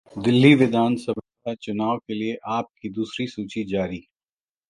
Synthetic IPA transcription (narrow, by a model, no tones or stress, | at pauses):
d̪ɪlːiʋɪd̪ʱaːnsɐbʱ | at͡ʃʊnaːʋokelieʔaːp̚kid̪uːsɾisuːt͡ʃid͡ʒaːɾiː